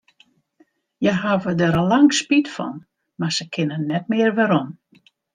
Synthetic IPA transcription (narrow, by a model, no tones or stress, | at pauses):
jəɦavədəɾəlaŋspitfɔ̰n | marsəkʰɪnənɛt̚mɪərʋəɾɔn